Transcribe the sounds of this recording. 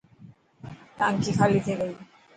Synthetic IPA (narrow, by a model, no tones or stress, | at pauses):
t̪aŋkikʰalit̪ʰekej